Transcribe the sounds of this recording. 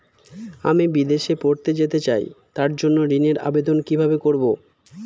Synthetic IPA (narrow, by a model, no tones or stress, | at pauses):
amibid̪eʃepoɾt̪ed͡ʑet̪et͡ɕa̰jt̪aɾd͡ʑonːoɾineɾa̰bed̪onkibʱabekoɾbo